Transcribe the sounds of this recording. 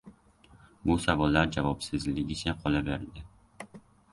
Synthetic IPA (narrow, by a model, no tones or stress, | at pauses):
bʊsavɒlːaɾd͡ʒavɒpsɪzlɪɡʲɪt͡ʃʰaqʰɒlaveɾd̪ɪ